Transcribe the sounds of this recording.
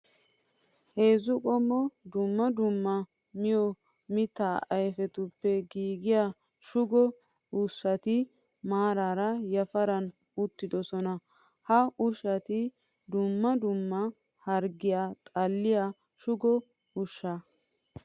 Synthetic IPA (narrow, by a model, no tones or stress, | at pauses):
he̞ːzʊkʼɔmːɔd̪ʊmːɐd̪ʊmːɐ | mɪjɔ | mɪt̪ːaːɐjfɛt̪ʊpːɛɡiːɡɪja | ʃʊɡɔ | ʊsːɐt̪ɪ | maːɾaːɾɐjɐfɐɾɐn | ʊt̪ːɪd̪ɔsɔnɐ | hɐʔʊʃɐt̪ɪ | d̪ʊmːɐd̪ʊmːɐ | hɐɾɡɪjat̪ʼɐlːɪjaː | ʃʊɡɔ | ʊʃːɐ